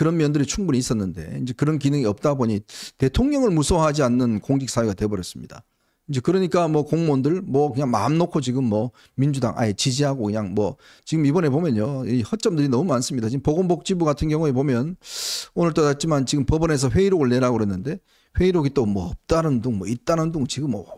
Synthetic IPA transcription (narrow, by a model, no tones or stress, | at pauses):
kɯɾʌnmjʌndɯɾit͡ɕʰuŋbuɲiːs͈ʌnːɯnde̞̰ind͡ʑe̞kɯɾʌnkinɯŋiʌp̚t͈aboɲite̞tʰoŋɲʌŋɯɭmusʰoɦad͡ʑianːɯnkoŋɡik̚s͈awiɡatwe̞bʌɾjʌs͈ɯmɲida̰ | ind͡ʑe̞kɯɾʌɲik͈amwʌkoŋmondɯɭmwʌkɯɲaŋma̰mnokʰot͡ɕiɡɯmːwʌ | mind͡ʑuda̰ŋʔa̰et͡ɕid͡ʑiɦaɡokɯɲaŋmwʌ | t͡ɕiɡɯmibʌne̞pomjʌnɲjoihʌt͡ɕ͈ʌmdɯɾinʌmumans͈ɯmɲidat͡ɕiɡɯmpoɡombʌk̚t͡ɕ͈ibuɡatʰɯnɡjʌŋue̞pomjʌnonɯɭt͈odat͡ɕ͈imant͡ɕiɡɯmpʌbʌne̞s̬ʰʌɸwe̞iɾoɡɯɭne̞ɾaɡoɦenːɯnde̞ | ɸwe̞iɾoɡit͈omwʌʌp̚t͈anɯnduŋmʌit̚t͈anɯnduŋt͡ɕiɡɯmːʌ